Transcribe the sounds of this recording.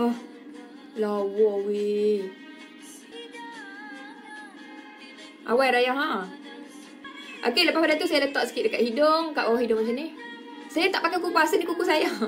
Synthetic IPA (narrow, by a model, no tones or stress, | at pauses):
lawɔwi | ʔa̰wajɾajaɦa | ʔa̰keləpahpadat̪usajalət̪ɔʔsə̥kiɪʔ̚dəkaʔ̪hidoŋka̰ʔbawahidʊʔmat͡ʃani | sajat̪aʔpakajkupuasəndikukusaja